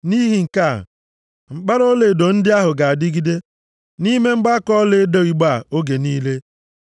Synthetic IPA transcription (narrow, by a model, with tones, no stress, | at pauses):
ni˦ɦi˨ŋ̩˨ka̰˦˨ | ŋ͡m̩˨k͡pa˦ɾo˦le˨do˨n̩˦dɪ˦a˦ɦʊ˨ɡa˨a˨dɪ˦ɡi˦de˦ | ni˦me˦ŋ͡m̩˦ɡ͡ba˦kɔ˦le˦e˦do˦i˨ɡ͡ba˦˨o˦ɡe˨niː˦le˦